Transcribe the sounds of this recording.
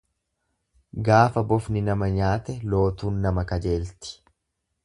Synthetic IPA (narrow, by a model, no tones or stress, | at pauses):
ɡaːfɐbɔfnɪnɐmɐɲaːt̪ɛlo̞ːt̪uːnːɐmɐkɐd͡ʒeːlt̪ɪ̥